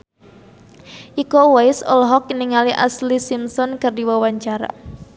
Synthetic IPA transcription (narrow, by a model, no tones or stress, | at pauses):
ʔikowaɪsɔlɦɔk̚ːniŋaliʔa̰slisimsɔnkərdiwawaɲt͡ʃaɾa̰